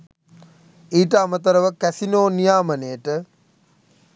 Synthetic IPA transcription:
iːʈəamət̪əɾəʋəkæsinoːnijaːmənejəʈə

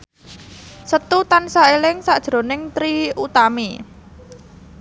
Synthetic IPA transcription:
sət̪ut̪ansaelɪŋsaʔd̥ʒ̥ɾo̤nɪŋt̪ɾiut̪ami

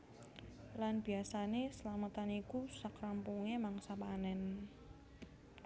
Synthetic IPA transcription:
lanb̥iasanesəlamət̪anikusakɾampuŋemaŋsapanɛn

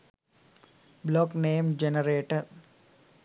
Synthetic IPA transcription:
blɔːkneːmd͡ʒenəɾeːʈəɾ

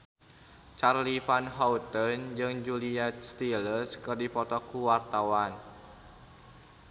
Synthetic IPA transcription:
t͡ʃarlifanɦaut̪ənd͡ʒɨŋd͡ʒuliat̪st̪ilərskɨrdipɔt̪ɔkuwart̪awan

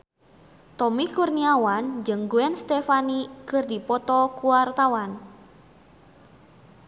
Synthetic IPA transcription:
t̪ɔmikurniawand͡ʒɨŋɡuɛnst̪efanikɨrdipɔt̪ɔkuwart̪awan

